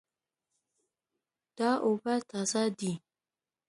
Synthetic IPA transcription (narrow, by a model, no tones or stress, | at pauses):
d̥aʔobatasadi